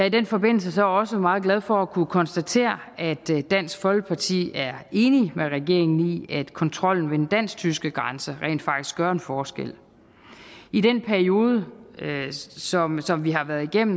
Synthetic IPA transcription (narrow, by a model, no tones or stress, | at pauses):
jɑ̈ɐid̥enfɒ̽be̝n̰l̩səsɒ̽ɒ̽səmɑ̈ːð̞̩ˠɡ̥lɛð̞ˠfɒ̽ækʰukʰɒ̽nsd̥æt͡sʰe̝̰ːɐ | æd̥ːæn̰sɡ̥fɒ̽lɡ̥əpʰɑ̈t͡sʰḭːæɐe̝ːnimeʁɛɡ̥e̝ɐ̰e̝ŋn̩iæd̥kʰɒ̽nt͡sʰʁɒ̽l̰n̩ʋed̥en̩d̥æn̰st͡sʰysɡ̥əɡ̥ʁɑnsəʁɛ̰ːnd̥fɑ̈ɡ̥d̥isɡ̥ɶɐenfɒːsɡ̥ḛl̰ | id̥enpʰæɐio̝ːð̞ˠə | sɒ̽msɒ̽mʋiɦɑ̈ʋæɐð̞ˠiɡ̥em̰n̩